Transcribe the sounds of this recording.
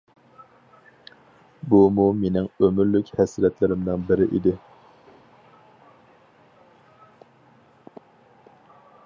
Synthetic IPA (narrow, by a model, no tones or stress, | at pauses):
bumumenɪŋømyɾlykʲhɛsɾɛt̪lɪɾɪmd̪nɪŋbɪɾɪʔḭd̪ɪ